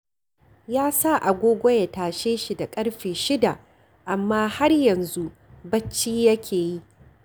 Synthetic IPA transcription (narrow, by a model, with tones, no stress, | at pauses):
jaː˦sa˦˨ʔa˨ɡʷoː˦ɡʷɔ˦ja˨taː˨ʃeː˦ʃi˨da˨kʼɐ˦ɽɸeː˨ʃɪ˦da˨ | ʔa˨mːaː˦ha˦rjɐ˨nzu˦ʔ | bɐ˦t͡ʃːiː˦jɐ˦kʲʰeː˨ji˦ʔ